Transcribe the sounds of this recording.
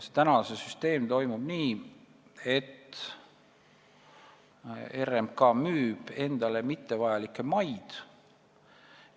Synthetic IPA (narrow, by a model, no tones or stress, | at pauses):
st̪ænɑsesyst̪e̞ːmt̪o̞jmub̥niː | e̞t̪ː | e̞ɾemkɑmyːb̥e̞nd̪̥ɑle̞mit̪ːe̞vɑjɑlikːˑemɑjd̪̥